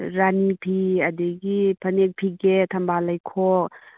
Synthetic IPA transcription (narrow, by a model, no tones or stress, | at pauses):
ɾanipʰiɐdeɡipʰɐnek̚pʰiɡetʰɐmbalajkʰok̚